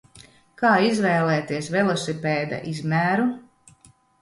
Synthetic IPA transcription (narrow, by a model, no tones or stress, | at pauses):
kaːizvɛːlɛːt̪iɛsvɛlˠɔsipɛːd̪a̰ʔizmʲæːɾu